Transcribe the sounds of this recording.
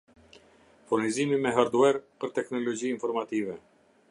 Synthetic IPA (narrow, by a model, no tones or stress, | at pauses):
fuɾnizimimɛɦaɾd̪uɛɾpəɾt̪ɛknɔlɔd͡ʑiinfɔɾmat̪ivɛ